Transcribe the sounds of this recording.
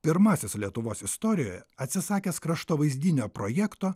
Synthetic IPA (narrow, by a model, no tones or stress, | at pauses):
pʲɪɾmɑːsʲeslʲiɛt̪ʊʋoːsɪst̪oːɾʲɪjoːjɛɐt̪ʲsʲɪsɑːkʲeːskɾɐʃt̪oːʋɐɪzʲd̪ʲiːnʲoːpɾoːjæːkt̪oː